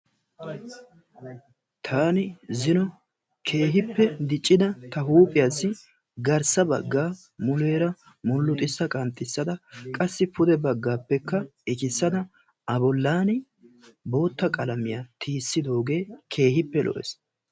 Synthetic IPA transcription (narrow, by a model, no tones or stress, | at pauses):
t̪ʰaːnɪzɪnɔ | kʰe̞ːɦɪpːɛd̪ɪt͡ʃʼːɪd̪ɐt̪ɐɦuːpʼɪjaːsːɪ | ɡɐɾsɐbɐ̰ɡːaː | mʊle̞ːɾɐ | mʊlːʊt̪ʼɪsːɐkʼɐnt̪ʼːɪsːɐd̪ɐkʼɐsːɪpʊd̪ɛbɐɡːaːpːɛkːɐɛkɪsːɐd̪ɐ | ɐbɔlːaːnɪ | bo̞ːt̪ːɐkʼɐlɐmɪjat̪ʰiːsːɪd̪o̞ːɡe̞ːkʰe̞ːhɪpːɛlʔɔ̰ʔɛ̰s